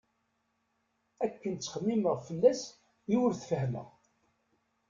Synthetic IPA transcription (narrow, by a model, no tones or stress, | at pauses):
ækːənt͡sːə̥χəmːiməʁfəlːæs | juwɾθfəhmə̰ʁ